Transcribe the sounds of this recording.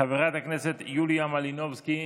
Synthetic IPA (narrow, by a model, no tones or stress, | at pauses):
aveʁat̪akne̞se̞t̪julijamalino̞vski